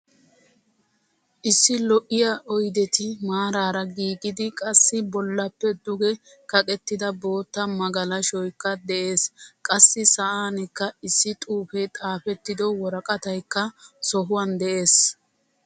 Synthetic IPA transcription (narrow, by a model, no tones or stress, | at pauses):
ʔɪsːɪlɔʔɪjaʔɔjd̪ɛt̪ɪmaːɾaːɾɐɡiːɡɪd̪ɪkʼɐsːɪbɔlːɐpːɛd̪ʊɡɛ | kɐkʼɛt̪ːɪd̪ɐbo̞ːt̪ːɐmɐɡɐlɐʃɔjkːɐd̪ɛʔeːskʼɐsːɪsɐʔaːnɛkːɐɪsːɪt̪ʼuːfet̪ʼaːfɛt̪ːɪd̪ɔwɔɾɐkʼɐt̪ɐjkːɐsɔɦʊwɐnd̪ɛʔe̞ːs